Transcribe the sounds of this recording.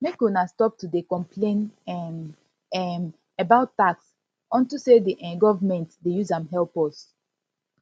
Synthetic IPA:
mekunastɔp̚tudekɔ̃mpʰlẽnɛm | ɛm | əbaʊttaks | ɔ̃ntusediʔɛ̃nɡɔvmɛ̃ntdejuzãmɦɛlpɔs

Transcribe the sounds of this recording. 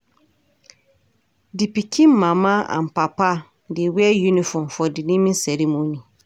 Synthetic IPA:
dipikʰĩm̩mãmãã̰m̩papa | dɪwiɛjunĩfɔ̃mfɔdinĩmĩsɛɾimõnĩ

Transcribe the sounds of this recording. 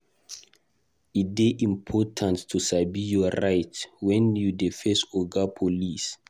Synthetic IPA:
it̚deʔĩmpʰɔtʰãntːʰusabijɔɾajtwɛ̃njudefɛstɔɡapʰolis

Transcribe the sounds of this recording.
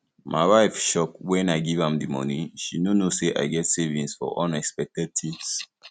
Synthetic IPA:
mʔa̰ɪwaɪfʃɔkwɛ̃naɪɡivãmdimɔ̰nĩʃinonoseʔa̰ɪɡɛtsevĩnsfɔ̰ʔɔ̰̃nɛkspɛk̚tɛd̚tʰits

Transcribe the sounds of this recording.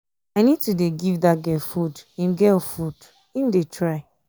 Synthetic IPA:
aɪnid̚tudeɡivdaɡɛfudĩmɡɛfud̥ | imdetʰɹaɪ

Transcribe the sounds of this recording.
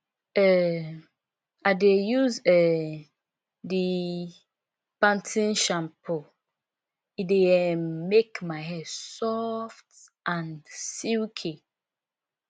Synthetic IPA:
ɛ | adejuzɛ | di | pãntʰĩnʃãmpʰo | ideɛmekmaɪɦɛdsɔft | ʔãnsiwkʰi

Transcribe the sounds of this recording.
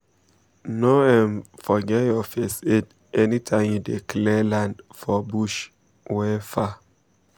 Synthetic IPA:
noɛmfɔɡɛɔfesed | ʔɛnitʰãɪ̃mjudikʰlɛlãndfɔbuʃ | wɛfa

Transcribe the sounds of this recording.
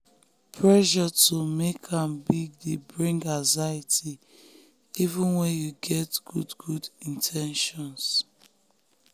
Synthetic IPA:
pʰɹɛʒɔtʰumekʰãmbiɡ̚debɹĩŋɡãŋzaitʰi | ivũnwɛ̃njuɡɛtɡ̥ṵdɡudĩntʰɛ̃nʃɔ̃ns

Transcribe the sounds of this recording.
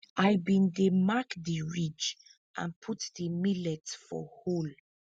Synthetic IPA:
ʔajbĩndemakdiɹid͡ʒ | ʔã̰npʰutdəmilɛtfɔ̰hol

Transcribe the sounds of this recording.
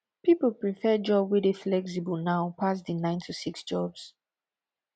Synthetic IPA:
pipəl̩pɹifɛd͡ʒɔbwedeflɛksibəlnaʊpʰas̬dinãɪ̃ntʰusiksd͡ʒɔbs

